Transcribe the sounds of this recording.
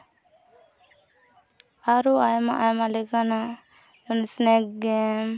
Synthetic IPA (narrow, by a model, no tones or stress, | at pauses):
aɾuajma̰ʔajmalɛkana | unsnɛkɡɛm